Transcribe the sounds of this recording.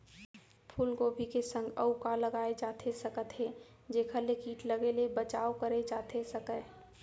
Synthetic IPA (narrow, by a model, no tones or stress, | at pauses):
pʰuːlɡobʱikesə̃ŋɡə̰ukaləɡaːed͡ʒaːt̪ʰesəkət̪ɦe | d͡ʒekʰəlekiːʈləɡelebət͡ʃaːokəɾed͡ʒaːt̪ʰesəkə